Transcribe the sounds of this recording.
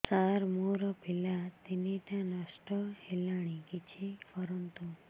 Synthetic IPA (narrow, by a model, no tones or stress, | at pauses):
saɾmoɾɔpilat̪eneʈ̪ãnɔsʈɔhelaɽ̃ikit͡ʃʰepɔɾənt̪u